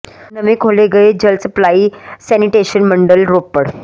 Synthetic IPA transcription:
nəmikʰoleɡəed͡ʑəlsəplaisɛniʈeɕənməɳɖəlɾopːəɽ

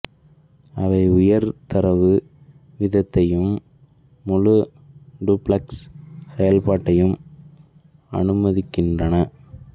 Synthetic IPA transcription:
ɐʋɐɪʊjɐɾt̪ɐɾɐʋɯ | ʋɪðɐt̪ːɐjɯmː | ʊɻɯ | ɖuplɐkssɛjɐlpaːʈːɐjɯm | ɐ̰nɯmɐðɪkːɪndrɐnɐ

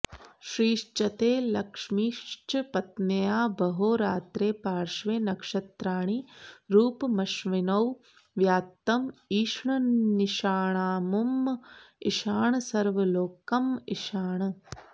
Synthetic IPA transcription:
ʃɾiːʃt͡ʃɐt̪eːlɐkʂmiːʃt͡ʃɐpɐt̪nɐjaːbɐɦoːɾaːt̪ɾeːpaːɾʃʋeːnɐkʂɐt̪ɾaːɳ̃iɾuːpmɐʃʋinɐw | ʋjaːt̪ːɐmiːʃɳɐniʃaːɳaːmum | iʃaːɳɐsɐɾʋɐloːkɐmiʃaːɳɐ

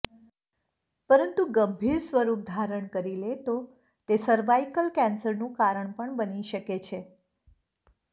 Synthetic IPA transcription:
pəɾənt̪uɡəmbʱiɾsʋəɾup̚d̪ʱaɾəɳkəɾilet̪o | t̪esəɾʋaikəlkɛ̃nsəɾnũkaɾəɳpəɳbəniʃəket͡ʃʰe

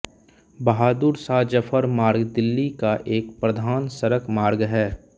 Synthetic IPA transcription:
bɐɦaːd̪uɾsaːd͡ʒəpʰəɾmaːɾɡd̪ɪlːikaʔeːkpɾəd̪ʱaːnsəɾəkmaːɾɡɦɛː

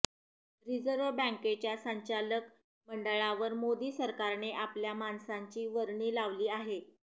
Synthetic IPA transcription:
ɾid͡zəɾʋbə̃ŋket͡ɕjasəɲt͡ɕalək | məɳɖəɭaʋəɾmod̪iːsəɾkaɾneʔapljamansaɲt͡ɕiːʋəɾɳiːlaʋliːaɦe

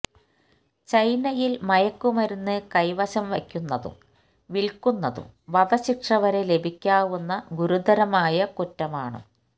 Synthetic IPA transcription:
t͡ɕɐjnɐjilmɐjɐkːumɐɾunːɨkɐjʋɐɕɐmʋɐkʲːunːɐðṵm | ʋiɭkunːɐðṵmʋɐdɐɕikʂɐʋɐɾe̞le̞bʱikʲːaːʋunːɐɡuɾud̪ɐɾɐmaːjɐkutːɐmaːɳɨ̰

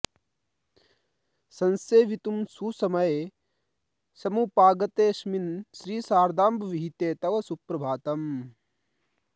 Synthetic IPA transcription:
sɐnseːʋit̪umsusɐmɐje | sɐmupaːɡɐt̪eːʃminʃɾiːsaːɾd̪aːmbʋiɦit̪eːt̪ɐʋɐsupɾɐbʱaːt̪ɐm

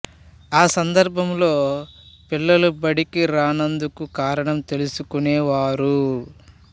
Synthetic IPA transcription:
aːsɐnd̪ɐɾbʱɐmlo̞ːpilːɐlubɐɽikiɾaːnɐnd̪ukukaːɾɐɳɐmt̪e̞lusukunɛːʋaːɾu

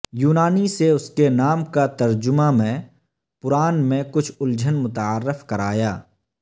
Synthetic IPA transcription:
juːnaːniseʊskenaːmkat̪ɐɾd͡ʒʊmamẽ | pʊɾaːnmẽkʊt͡ʃʰʊld͡ʒʱənmʊt̪aːɾːɪfkɐɾaːjaː

